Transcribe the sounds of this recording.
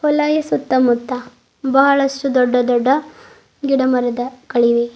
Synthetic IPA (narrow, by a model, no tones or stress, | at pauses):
hɔlaːjɐsut̪ːɐmut̪ːɐ | bɐɦɐɭɐsʈud̪ɔɖːɐd̪ɔɖːɐ | ɡiɽɐmɐɾɐd̪ɐkɐɭiʋi